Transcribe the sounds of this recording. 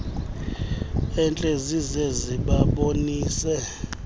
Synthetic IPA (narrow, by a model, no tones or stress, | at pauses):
ɛnt͡ɬʼezizeziɓaɓoniːsɛ